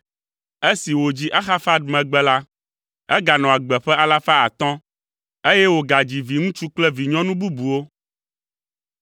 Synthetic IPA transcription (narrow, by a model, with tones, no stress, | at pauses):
e˦si˨wo˨d͡ʑi˦ʔa˦xa˦fa˦d̪mɛ̃˨ɡ͡bɛ˦la˦ | ɛ˦ɡa˨nɔ̃˨a˨ɡ͡bɛ˨ɸɛ˦a˦la˦fa˦a˨t̪ɔ̃˦ | e˦jɛ˦wo˨ɡa˨d͡ʑi˨vi˨ŋũ˦t͡ʃu˦k͡plɛ˦vi˨ɲɔ̃˦nũ˦bu˦bu˨wo˦